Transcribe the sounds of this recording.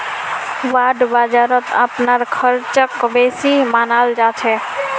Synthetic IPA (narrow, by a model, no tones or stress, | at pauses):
waɖbad͡ʒaɾət̪ə̰pnaɾkʰəɾt͡ʃəkbesimanald͡ʒat͡ʃʰɛ